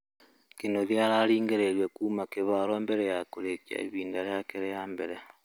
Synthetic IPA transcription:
kenoðjaɾaɾiːŋɡeɾeɾwekuːmakeβaɾoembeɾejakoɾekja̰ḛβiːndaɾjakeɾejambeɾe

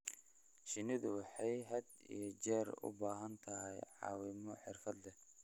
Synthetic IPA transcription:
ʃɪnɪðʊwɑħɑjɦɐd̪ḭjɔd͡ʒɛːɾʊ̰baːɦɐnt̪ʰɐɦɛjʕɑ̰ːwɪmɔħɪrfɐd̪lɛ

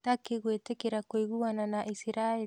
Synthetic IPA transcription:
takeɣwetekeɾakwiɣuwananaʔisiɾae

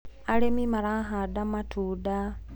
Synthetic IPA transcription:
alemimaɾaɦadamatʰuda

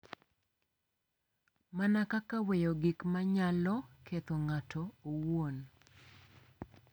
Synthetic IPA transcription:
manakakawejoɡikmaɲalɔkʰet̪oŋatʰɔowon

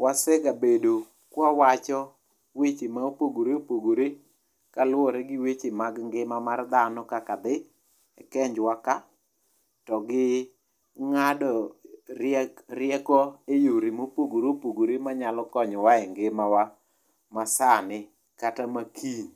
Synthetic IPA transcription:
wasɛɡabedo | kwɔwat͡ʃɔ | wet͡ʃimaopoɡoɾeopoɡoɾe | kalʊɔɾɛɡɪwet͡ʃimaɡŋɡɪmamard̪anɔkakad̪ɪ | ɛkɛɲd͡ʒwaka | tɔɡɪ | ŋadɔ | ɾjɛkɔejoɾimopoɡoɾopoɡoɾimaɲalɔkɔɲɔwaɛŋɡɪmawa | masanɪ | katamakʰin

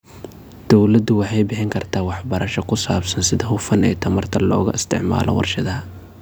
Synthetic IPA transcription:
d̪̥ɔwlɐd̪ʊwɑħɑjbɪħɪŋkʰɐrt̪ʰaːwɑħbɐɾɐʃɔkʰʊsaːbsɐnsɪðɐɦʊfɐnɛ̰ːt̪ʰɐmɐrt̪ʰɐlɔːɣʊ̰ɪst̪ʰɪ̰ʕma̰ːlʔɔ̰wɑ̰rʃɐðɐɦɐ

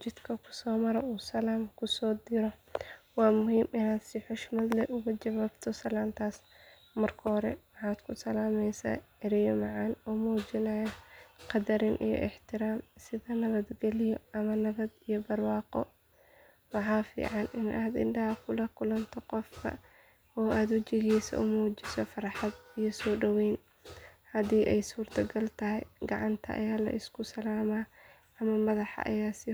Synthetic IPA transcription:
t͡ʃɪd̪̥kʰɐkʰʊ̥sɔːmɐɾɛuːsɐlaːmkʰʊsɔːd̪ɪɾɔwɑːmʊɦiːmɪnaːd̪siħʊʃmɐd̪lɛʔʊɣɐt͡ʃɐβaːbt̪ʰɔsɐlaːnt̪ʰaːs | mɐrkʰɐɦɔɾɛwɑħaːd̪̥kʰʊsɐlaːmɛjsa̰ːʕɪɾɪjɔmɑʕɑnɔmuːd͡ʒɪnɐjɐqɑd̪ɐɾɪnʔḭjɔ̰ʔɪħt̪ʰɪɾaːmsɪðɐnɐβɐd̪ɡɛlɪjɔʔɐmɐnɐβɐd̪ijɔbɐrwɑːqɔ | wɑħɑːfḭːʕɑnɪnʔaːd̪ɪ̰ndɐɦɐkʰʊlɐkʰʊlɐnt̪ʰɔqɔfkʰɐ̰ | ɔːaːd̪wɐt͡ʃɪɣiːsɐ̰ʔʊmuːt͡ʃɪsɔfɑɾħɑd̪ijɔsɔːɖɐwɛjn | hɐðiːʔɛjsuːrt̪ʰɐɡɐlt̪ʰɐɦɛjɡɑʕɑnt̪ʰɐ̰ʔɐ̰jaːlɐ̰ʔɪskʰʊsɐlaːmaː | ʔɐmɐmɐðɑħɑ̰ʔɐ̰jaːsɪ

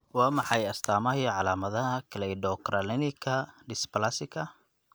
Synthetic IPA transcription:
wɑːmɑħɑjɐst̪ʰaːmɐhiʕɑlaːmɐðɐɦɐkʰlɛɪdɔkralɛnɪkʰɐɖɪsplasɪkʰɐ

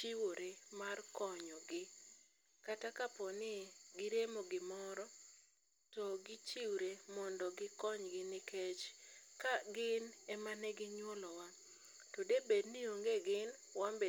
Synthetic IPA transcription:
t͡ʃiwoɾemarkɔɲɔɡɪ | katakapɔnɪɡɪɾemoɡɪmɔɾɔ | tɔɡɪt͡ʃiwɾemɔndɔɡɪkɔɲɡɪnɪket͡ʃkaɡɪnɛmanɛɡɪɲwolɔwa | tɔdebednioŋɡeɡɪn | wambe

